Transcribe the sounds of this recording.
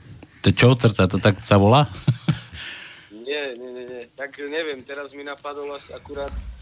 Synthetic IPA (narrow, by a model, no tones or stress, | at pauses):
t̪ɛt͡ʃɔwt̪əɾt̪at̪ot̪aksaʋɔla | ɲɪɛɲɛɲɛɲɛt̪akɲɛvjɛmt̪ɛɾazminapad̪ɔlasakuɾaːt̪̚